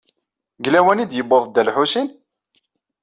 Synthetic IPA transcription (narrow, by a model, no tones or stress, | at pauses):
ɡlæwænid̪jəbːoðˤd̪ælħusin